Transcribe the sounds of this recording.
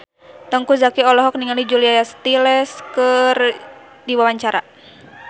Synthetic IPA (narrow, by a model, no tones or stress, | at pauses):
t̪ɔŋkuzakiɔlɔɦɔk̚niŋalid͡ʒuliajast̪ilɛskər | diwawaɲt͡ʃaɾa̰